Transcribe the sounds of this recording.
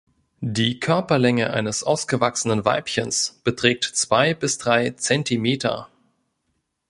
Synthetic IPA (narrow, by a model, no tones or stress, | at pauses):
diːkʰœɐpɐlɛŋəʔa̰ɪnəsʔaʊsɡ̥əvaksənənva̰ɪpçənsb̥ətʁ̥ɛːk̚tt͡sv̥aɪbɪsd̥ʁaɪt͡sɛntimeːtʰɐ̰